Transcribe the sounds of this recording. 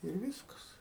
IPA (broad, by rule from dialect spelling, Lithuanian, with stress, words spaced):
ɪr ˈʋʲiːskɐs